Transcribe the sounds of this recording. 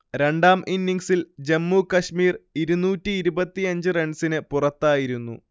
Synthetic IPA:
ɾeɳɖaːmʔinːiŋɡsild͡ʑemːuːkɐʂmiːriɾunuːtːɨːɾubɐt̪ːiɐɲd͡ʑɨreɳsinɨpurɐt̪ːaːjiɾunːṵ

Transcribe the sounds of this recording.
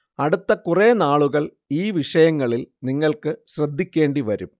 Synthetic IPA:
ɐɽut̪ːɐkureːnaːɭuɣɐɭ | iːʋiʂɐjɐŋːɐɭilniŋːɐɭkɨɕrɐd̪ʱːikʲːe̞ːɳɖiʋɐɾum

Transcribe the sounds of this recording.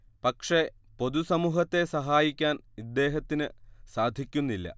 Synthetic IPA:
pɐkʂe̞ | po̞d̪usɐmuːɦɐt̪ːe̞sɐɦaːjikʲːaːnid̪ːe̞ːɦɐt̪ːinɨsaːd̪ʱikʲːunːilːɐ̰

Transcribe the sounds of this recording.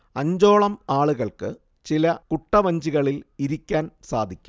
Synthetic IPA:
ɐɲd͡ʑo̞ːɭɐmaːɭuɣɐɭkɨ | t͡ɕilɐkuʈːɐʋɐɲd͡ʑiɣɐɭiliɾikʲːaːnsa̰ːd̪ʱikʲːu̥m

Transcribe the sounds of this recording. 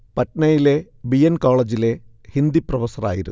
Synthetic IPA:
pɐtnɐjile̞ | bijɐnkoːɭɐd͡ʑile̞ | hind̪iprɐʋɐsɐra̰ːjiɾṵ

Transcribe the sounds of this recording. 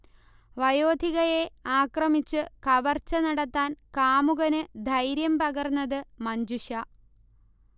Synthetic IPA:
ʋɐjo̞ːd̪ʱiɣɐjeaːkrɐmit͡ɕːɨkɐʋɐrt͡ɕːɐnɐɽɐt̪ːaːnkaːmuɣɐnɨd̪ʱɐjɾjɐmpɐɣɐrnːɐðɨmɐɲd͡ʑuʂɐ

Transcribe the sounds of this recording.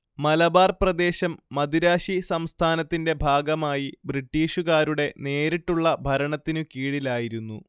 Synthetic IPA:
mɐlɐbaːrprɐd̪e̞ːɕɐmːɐd̪iɾaːɕisɐmst̪ʰaːnɐt̪ːinde̞bʱaːɡɐmaːjibriʈːiːɕuɣaːɾuɽe̞ne̞ːɾiʈːuɭːɐbʱɐɾɐɳɐt̪ːinɨkiːɽilaːjiɾunːṵ

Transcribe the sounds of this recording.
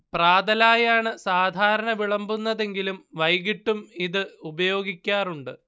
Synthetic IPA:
praːd̪ɐlaːjaːɳɨsaːd̪ʱaːɾɐɳɐʋiɭɐmbunːɐðe̞ŋɡilumʋɐjɣiʈːumiðɨubɐjo̞ːɡikʲːaːruɳɖɨ

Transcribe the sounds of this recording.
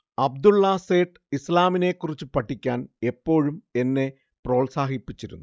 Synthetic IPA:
ɐb̚d̪ulːɐseːʈ | islaːmine̞kːurit͡ɕːɨpɐʈʰːikʲːaːne̞pːo̞ːɻume̞nːe̞ | pro̞ːɭsaːhipːit͡ɕːiɾunːu

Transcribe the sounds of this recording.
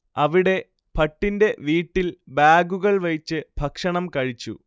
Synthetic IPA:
ɐʋiɽe̞ | pʰɐʈːinde̞ʋiːʈːilbaːɡuɣɐɭʋɐɻit͡ɕːɨbʱɐkʂɐɳɐmkɐɻit͡ɕːṵ

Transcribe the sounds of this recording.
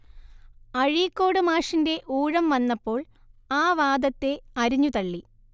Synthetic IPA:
ɐɻijkːo̞ːɽɨmaːʂinde̞ʔuːɻɐmʋɐnːɐpːo̞ːɭ | aːʋaːd̪ɐt̪ːe̞ɐɾiɲːut̪ɐɭːi

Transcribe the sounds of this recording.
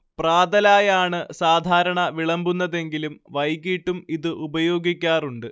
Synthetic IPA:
praːd̪ɐlaːjaːɳɨsaːd̪ʱaːɾɐɳɐʋiɭɐmbunːɐðe̞ŋɡilumʋɐjkiːʈːumiðɨʔubɐjo̞ːɡikʲːaːruɳɖɨ

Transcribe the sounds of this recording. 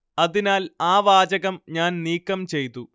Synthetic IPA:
ɐðinaːlaːʋaːd͡ʑɐɣɐmɲaːnniːkːɐmt͡ɕe̞jt̪ːu

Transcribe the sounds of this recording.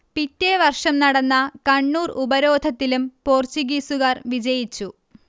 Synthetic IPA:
pitːeʋɐrʂɐmnɐɽɐnːɐkɐɳːuːrubɐɾo̞ːd̪ʱɐt̪ːilumpo̞ːrt͡ɕiɡiːsuɣɐrʋid͡ʑɐjit͡ɕːu

